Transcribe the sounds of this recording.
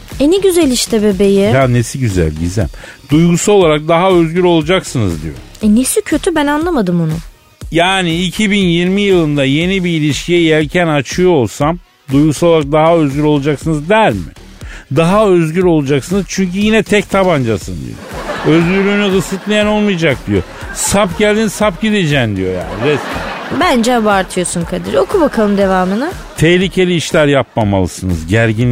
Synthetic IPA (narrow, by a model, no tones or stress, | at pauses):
eniɟyzelʲiʃt̪ɛbebejɪhanesiɟyzæ̰lʲɟḭzæ̰md̪ujɡusao̞lˠaɾak̚d̪aɦaøzɟyɾo̞lˠad͡ʒaksɯnɯ̰zd̪ḭjo̰ | ɛnesicʰø̞t̪ʰybænanlˠamad̪ɯmunʊ | jaːniːcʰibinjiɾmijɯlˠɯnd̪aje̞nibiːlʲiʃcʲʰijɛjɛlʲcʰænat͡ʃʰɯjoolˠsam | d̪ujɡusaoaɾak̚d̪aɦaøzɟʲyɾo̞lˠad͡ʒaksɯnɯzd̪æɾmɪ̰ | d̪aɦaøzɟyɾo̞lˠud͡ʒaksɯnɯzt͡ʃʰyɲcyjinɛt̪ʰɛct̪ʰaband͡ʒasɯnd̪ḭjo̰øzɟyɾlʲyːnyɣɯsɯt̪lˠajano̞lˠmɯjd͡ʒak̚d̪ijo̞̰ | sapɟælʲd̪inizsapɟid̪ed͡ʒɛnd̪ḭjo̞̰ja̰ːniɾɛsibænd͡ʒɛabuaɾt̪ʰɯjo̞sunkʰad̪ɯɾokʰubakʰalˠɯmd̪e̞vaːmɯnɯ | t̪ʰɛhlʲicʰe̞lʲiːʃlʲæɾjapmama̰lˠɯ̰sɯnɯ̰zɟæɾɟin